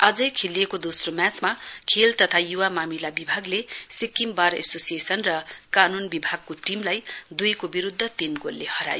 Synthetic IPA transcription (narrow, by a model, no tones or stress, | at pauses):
ʌd͡zʌjkʰeliekod̪osromjat͡smakʰelt̪ʌt̪ʰajuwamamilabibʱaɡlesikimbaɾḛsosiesʌnrʌkanunbibʱaɡ̚koʈimlajd̪ujkobiɾud̪ʱːʌt̪inɡolːehʌɾa̰jo